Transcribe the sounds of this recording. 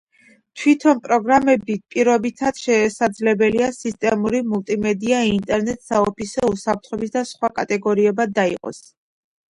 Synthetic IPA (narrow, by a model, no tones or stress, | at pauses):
t̪ʰwit̪ʰɔnpʼɾɔɡɾamɛbipʼiɾɔbit̪ʰat̪ʃɛsad̪zlɛbɛliasist̪ʼɛmuɾimulˠt̪ʼimɛd̪iaint̪ʼɛɾnɛt̪ʼsaɔpisɔusap̚ʰt̪ʰχɔbisd̪asχwakʼat̪ʼɛɡɔɾiɛbad̪aḭqʼɔ̰s